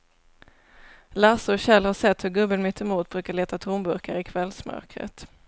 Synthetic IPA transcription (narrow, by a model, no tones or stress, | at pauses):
laːsɔɕɛlːhaʂɛt̪ːhɵɾɡɵbːənmɪt̪ʰːɛmuːt̪̚bɾʉːkaɭeːt̪at̪ʰuːnbɵɾkaɾɪkʰvɛlsmœ̰ɾkɾə̰t̪